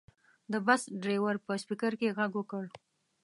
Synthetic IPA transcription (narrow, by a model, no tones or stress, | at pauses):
d̪əbasɖɾewaɾpəspikaɾkeɣaɡwəkəɽ